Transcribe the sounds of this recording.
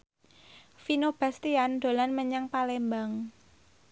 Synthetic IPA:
finob̥a̤st̪iand̪̥o̤lanməɲaŋpalembaŋ

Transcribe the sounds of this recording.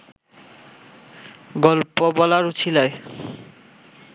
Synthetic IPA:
ɡɔlpobɔlaɾut͡ɕʰilae

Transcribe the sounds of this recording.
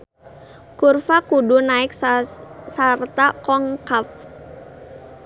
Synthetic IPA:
kurfakudunaɪk̚ | sart̪akɔŋkaf

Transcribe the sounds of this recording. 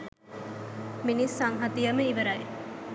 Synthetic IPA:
minisaŋɦɐt̪ijɐməiʋəɾɐj

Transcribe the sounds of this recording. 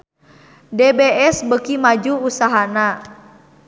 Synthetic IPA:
dɛbeɛsbəkimad͡ʒuːsaɦana

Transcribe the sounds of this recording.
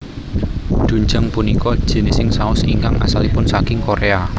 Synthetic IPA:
ɖ̪̥uɲd͡ʒəŋpunikɔd̥ʒ̥e̤nesɪŋsaʊsiŋkaŋa̰salipʊnsakɪŋkoɾʔea

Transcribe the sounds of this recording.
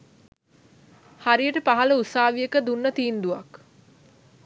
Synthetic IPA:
haɾijəʈəpaɦaləusaːʋijəkəd̪unːət̪iːnd̪uʋak

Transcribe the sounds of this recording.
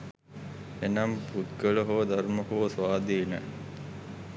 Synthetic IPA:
enɐmput̪ɡəɭəɦoʋəd̪ɐɾməɦoʋəsʋaːd̪inə

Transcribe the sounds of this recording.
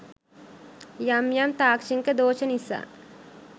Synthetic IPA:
jamjamt̪aːkt͡ʃiŋked̪oːt͡ʃenisa̰

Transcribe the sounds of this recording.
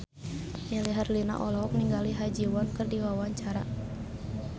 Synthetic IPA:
ɲaliɦarlina̰ʔɔlɔk̚niŋɡaliɦad͡ʒiwɔnkɨrdiwawaɲt͡ʃaɾa

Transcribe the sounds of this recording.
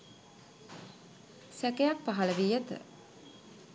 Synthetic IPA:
sækejak̚paɦɐləʋiːjət̪ə̰

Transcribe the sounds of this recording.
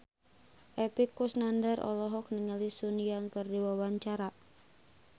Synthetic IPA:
ʔɛpikːusnandərʔɔ̰lɔɦɔk̚niŋəlisunijaŋkɨrdiwawaɲt͡ʃaɾa

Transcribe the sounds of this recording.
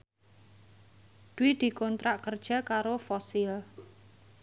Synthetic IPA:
d̪̥uwid̪̥i̤kɔnt̪ɾaʔkərd̥ʒ̥a̤kaɾofɔsɪl

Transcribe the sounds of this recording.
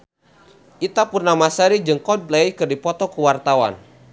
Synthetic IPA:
ʔit̪apurnamasəɾid͡ʒɨŋkɔd̚blejkɨrdipɔt̪ɔkuwart̪awa̰n

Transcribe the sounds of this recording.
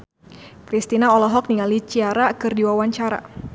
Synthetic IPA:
kɾist̪inaɔlɔɦɔk̚niŋalit͡ʃiaɾakɨrdiwawaɲt͡ʃaɾa̰

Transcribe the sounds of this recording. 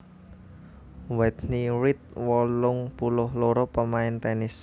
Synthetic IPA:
wɛd̪niɾɪt̪̚wɔlʊŋpulʊhloɾopəmaɪnt̪ɛnɪs

